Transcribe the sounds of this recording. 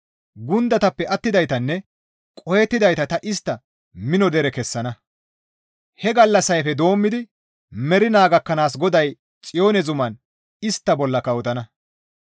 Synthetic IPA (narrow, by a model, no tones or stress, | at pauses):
ɡʊnd̪ɐt̪ɐpːɛʔɐt̪ːɪd̪ɐjt̪ɐnːɛ | kʼɔjɛt̪ːɪd̪ɐjt̪ɐt̪ɐʔɪst̪ːɐ | mɪnɔd̪ɛɾɛkɛsːɐnɐ | hɛɡɐlːɐsɐjfɛd̪o̞ːmːɪd̪ɪ | mɛɾɪnaːɡɐkːɐnaːs̬ɡɔd̪ɐj | t͡sʼɪjo̞ːnɛzʊmɐn | ɪst̪ːɐbɔlːɐkɐwɔt̪ɐnɐ